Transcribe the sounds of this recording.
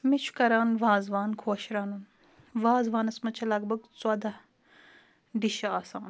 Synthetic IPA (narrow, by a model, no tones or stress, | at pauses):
mit͡ʃʰu̥kɐɾaːnʋaːzʋaːnkʰoːʃɾaːnun | ʋaːzʋaːnɐsmɐt͡ʃʰɐlɐɡ̚bɐɡt͡swɐd̪a | ɖiʃɐaːsaːn